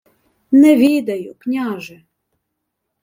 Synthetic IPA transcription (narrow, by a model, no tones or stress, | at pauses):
nɛʋʲid̪ɐjʊknʲaɑʒɛ